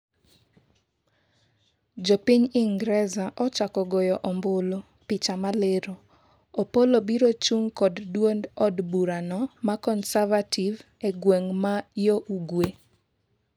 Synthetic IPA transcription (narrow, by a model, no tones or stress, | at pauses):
d͡ʒɔpiɲiŋɡɾɛzaʔɔt͡ʃakɔɡojɔʔɔmbʊlo | pit͡ʃamaleɾo | opolobiɾot͡ʃuŋkɔddwondɔdbuɾanɔmakɔnsavativ | eɡwɛŋmajoʔuɡwe